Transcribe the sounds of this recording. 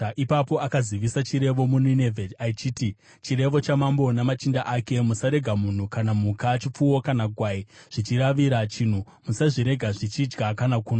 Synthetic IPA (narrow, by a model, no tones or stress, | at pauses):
ʔipapo̞akaziʋisat͡ʃiɾe̞ʋo̞muninevʱedait͡ʃiːti | t͡ʃiɾe̞ʋo̞t͡ʃamambo̞namat͡ʃindaʔake̞musaɾe̞ɡʱamun̤ukanamukat͡ʃip͡fuwo̞kanaɡʱwaiʐ̥it͡ʃiɾaʋiɾat͡ʃin̤u | musaʐiɾe̞ɡʱaʐit͡ʃid͡ʒɡakanakuːna